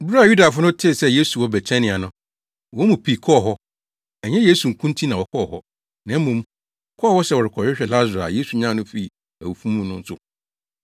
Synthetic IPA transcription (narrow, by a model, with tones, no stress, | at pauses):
bu˦ɾa˨ju˦da˨fʊ˦nʊ˦tʰɪ˦˨sɛ˦je˦su˨wɔ˦bɛ˨t͡ɕʰɛ̃˦nɪ̃˨a˨nʊ̃˦ | wɔ˦mũ˨pʰi˨kʰɔ˦˨ɦɔ˦ | ɛ˨ɲɛ̃˦je˦su˨ŋ̩˨kʰũ˦ntʰi˦nã˨wɔ˨kʰɔ˦˨hɔ˦ | nã˨˦mũ˨m˦ | kʰɔ˦˨hɔ˦sɛ˦wɔ˨ɾɪ˨kʰɔ˨ɪ˦ɕᶣɛ˨la˦zʊ˨ɾa̰˨je˦su˨ɲã˦˨nʊ̃˦fi˦˨ | æ˨wu˨fũ˦mũ˦nʊ̃˦n̩˦sʊ˦